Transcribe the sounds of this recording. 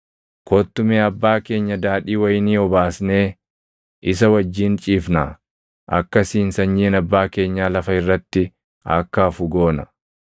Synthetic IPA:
kʰoːt̪ːʊmeːɐbːaːke̞ːɲːɐd̪aːᶑiːwɐjniːɔbaːsne̞ː | ʔɪs̬ɐwɐd͡ʒːiːnt͡ʃʼiːfna | ʔɐ̰kːɐsiːnsɐɲːiːnɐbːaːke̞ːɲːaːlɐfɐɪrːɐt̪ːɪ | ɐ̰kːɐfʊɡo̞ːnɐ

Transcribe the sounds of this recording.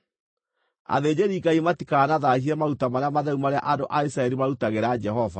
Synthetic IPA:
a̰ðeːd͡ʑeɾiːɡaimatikanaðahiɛmautamaɾeamaðɛumaɾea̰ʔandoʔaisɾaɛɾimaɾutaɣeɾad͡ʒɛhɔva̰

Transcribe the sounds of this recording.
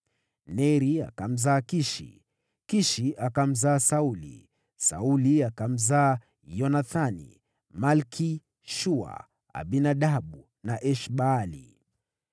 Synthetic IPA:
nɛɾia̰kam̩zaːkiʃḭ | kiʃiakam̩zaːsaulḭ | sa̰uliakam̩zaː | jɔnaθanḭ | malkʰi | ʃua̰ | a̰ɓinaɗaɓu | naʔɛʃɓaːlḭ

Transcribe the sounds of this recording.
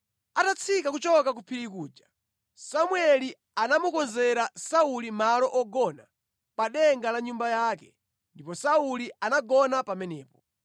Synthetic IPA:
atat͡sʰikakut͡ʃɔkak̬upʰiɾikuːd͡ʒa | samwɛli | anamukɔnzɛɾasaulimalɔʔɔɡɔna | paɗɛŋɡalaɲumbajaːkɛ | ndipɔsaulianaɡɔnapamɛnɛːpɔ

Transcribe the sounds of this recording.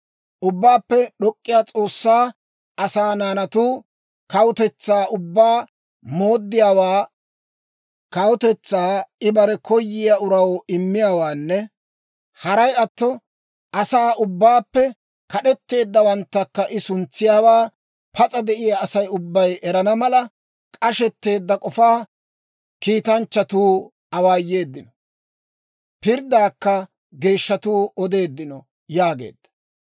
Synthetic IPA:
ʔʊbːaːpːɛɗɔkʼːɪjaːt͡sʼo̞ːsːaː | ʔɐsaːnaːnɐt̪uː | kɐwʊt̪ɛt͡sːaːʔʊbːaː | mo̞ːd̪ːɪjaːwaː | kɐwʊt̪ɛt͡sːaːɪbɐɾɛkɔjːɪjaʊɾɐwɪmːɪjaːwaːnːɛ | hɐɾɐjɐt̪ːɔ | ʔɐsaːʊbːaːpːɛ | kɐɗɛt̪ːe̞ːd̪ːɐwɐnt̪ːɐkːɐʔɪsʊnt͡sːɪjaːwaː | pʰɐt͡sʼɐd̪ɛʔɪjaːsɐjʊbːɐjɛɾɐnɐmɐlɐ | kʼɐʃɛt̪ːe̞ːd̪ːɐkʼɔfaː | kiːt̪ɐnt͡ʃːɐt̪uː | ɐwaːjːe̞ːd̪ːɪnɔ | pɪɾd̪aːkːɐ | ɡe̞ːʃːɐt̪uːɔd̪e̞ːd̪ːɪnɔ | jaːɡe̞̰ːd̪̥ːɐ̥

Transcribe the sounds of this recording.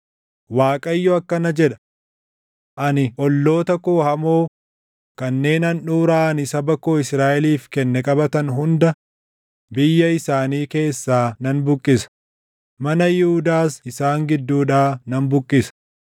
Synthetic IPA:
waːkʼɐjːɔɐkːɐnɐd͡ʒɛᶑɐ̥ | ʔɐnɪʔɔlːo̞ːt̪ɐkoːhɐmoː | kɐnːe̞ːnɐnᶑuːɾaːɐnɪsɐbɐkoːɪsɾaːʔɛliːfkɛnːɛkʼɐbɐt̪ɐnɦʊnd̪ɐ | bɪjːɐɪsaːniːke̞ːsːaːnɐnbʊkʼːɪsɐ̥ | mɐnɐjɪhʊd̪aːsɪsaːŋɡɪd̪ːuːᶑaːnɐnbʊkʼːɪsɐ̥

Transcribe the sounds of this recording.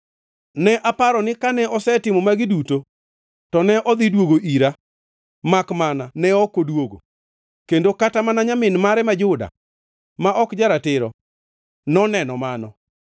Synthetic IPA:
nɛʔapaɾɔnɪkanɛɔsɛtɪmɔmaɡɪduto | tɔnɛʔɔd̪idwoɡoʔiɾa | makmananɛɔkodwoɡo̰ | kendokatamanaɲamɪnmaɾɛmad͡ʒʊda̰ | maʔɔkd͡ʒaɾatɪɾɔ̰ | nɔnɛnɔmanɔ

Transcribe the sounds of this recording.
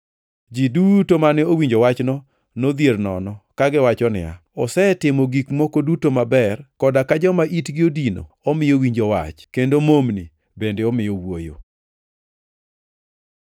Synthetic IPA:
d͡ʒidutomanɛowiɲd͡ʒowat͡ʃnɔ | nod̪jernɔ̰nɔkaɡɪwat͡ʃɔnɪ̰a̰ | ɔsɛtɪmoɡikmokodutomabɛrkɔdakad͡ʒɔmaʔitɡɪodino̰ | ɔmɪjowiɲd͡ʒowa̰t͡ʃkendomomnḭ | bendeɔmɪjowojo̰

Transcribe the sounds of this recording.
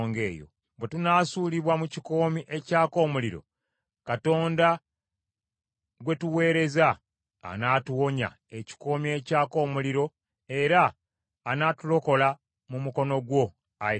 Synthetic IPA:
ŋɡe̞̰ːjo̰ | bwe̞tunaːsuːliβwamuciko̞ːmiʔe̞caːko̞ːmuliɾo̞̰ | kato̞ːnda | ɡwe̞tuwe̞ːɾe̞za̰ː | naːtuwo̞ɲa̰ | e̞ci̥ko̞ːmie̞caːko̞ːmuliɾo̞ | e̞ɾaː | naːtulo̞ko̞la | mumuko̞no̞ɡwo̞ | a

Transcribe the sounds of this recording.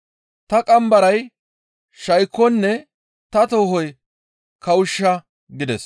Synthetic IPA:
t̪ɐkʼɐmbɐɾɐj | ʃɐjkːɔnːɛ | t̪ɐt̪oːɦɔj | kʰɐwʊʃːɐ | ɡɪd̪ɛs

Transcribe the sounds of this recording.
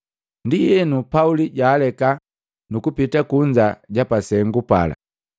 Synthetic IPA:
ndijɛnupauliɟaːlɛka | nukupitakuɲd͡ʒaɟapasɛŋɡupa̰la̰

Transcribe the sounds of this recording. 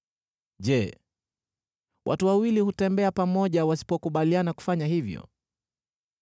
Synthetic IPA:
ʄɛ | wʔa̰tuwawilihutɛmbɛapamɔʄawasi̥pɔkuɓalianaku̥faɲaɦivjɔ̰

